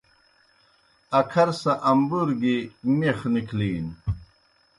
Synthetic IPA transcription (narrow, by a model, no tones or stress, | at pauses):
ɐkʰɐɾsɐʔɐmbuɾɡimeχnikʰliːn